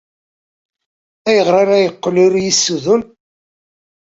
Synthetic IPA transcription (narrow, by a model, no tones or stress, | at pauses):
æjəʁɾaɾæjəqːlʊɾjisːuðʊn